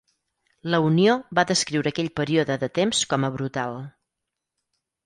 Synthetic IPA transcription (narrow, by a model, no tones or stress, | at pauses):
ləunioβaðəskɾiwɾəːkɛʎpəɾioðəðət̪emskɔməβɾut̪alˠ